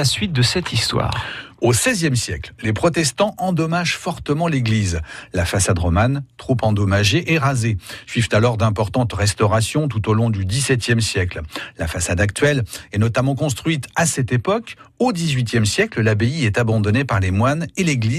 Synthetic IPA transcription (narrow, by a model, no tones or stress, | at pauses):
asɥit̪̚d̪əsɛt̪ʰist̪wa̰ːʁosɛzjɛmsjɛkllepχɔt̪ɛst̪ɑ̃ʔɑ̃d̪ɔmaʒfɔʁt̪əmɑ̃leɡlizlafasad̪ʁɔmant̪χupɑ̃d̪ɔmaʒeʔɛʁazesɥivt̪alɔʁd̪ɛ̃pɔʁt̪ɑ̃t̪ʁɛst̪ɔʁasjɔ̃t̪̬ut̪olɔ̃d̪yd̪isɛt̪jɛmsjɛkllafasad̪akt̪ɥɛlɛnɔt̪amɑ̃kɔ̃st̪χɥit̪asɛt̪epɔk | od̪izɥit̪jɛmsjɛkləlabeiɛt̪abɑ̃d̪ɔnepaʁlemwaneleɡli